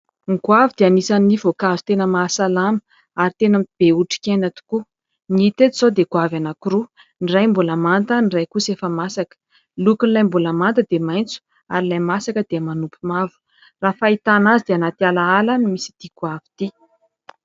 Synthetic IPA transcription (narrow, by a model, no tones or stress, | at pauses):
ŋɡwavid̪̥eanisanivokazi̥t̪enəmasalamə | aɾit̪enamb̥euʈ͡ʂi̥kʲenat̪u̥ku | nit̪ed̪isod̪eɡwavanakuɾu | nirajmbulamant̪ənirajkusefəmasakə̥ | lukunilajmbulamant̪əd̪emajnt͡su̥ | a̰ɾilajmasakəd̪̥eəmanupumavu̥ | rafait̪anazid̪eanat̪ialaalanimisi̥d̪̥ikwavi̥t̪i